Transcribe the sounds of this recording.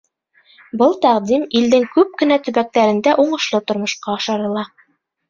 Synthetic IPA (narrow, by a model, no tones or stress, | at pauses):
bɤlˠt̪æqd̪imild̪ɘŋkʉp̚kɘ̆næt̪ɵ̆βæk̚t̪æɾɘ̆nd̪æʔuɴɤ̆ʃlˠɤt̪ŏɾmŏʃqɑːʃɑɾɤ̆lˠɑ